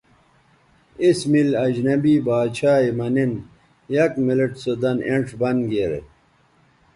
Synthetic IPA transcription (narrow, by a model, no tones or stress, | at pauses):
ismilɐd͡ʑnɐbiːbaːt͡ɕʰaːimɐnin | jɐkmileʈsod̪ɐneɳʈ͡ʂʰbɐnɡeɾ̰